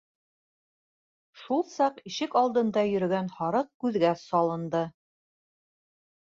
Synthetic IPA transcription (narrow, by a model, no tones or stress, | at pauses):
ʃulˠsɑqiʃɘkɑlˠd̪ɤ̆nd̪ɑjɵ̆ɾɵ̆ɡænhɑɾɤq̚kʉðɡæsɑlˠɤ̆nd̪ɤ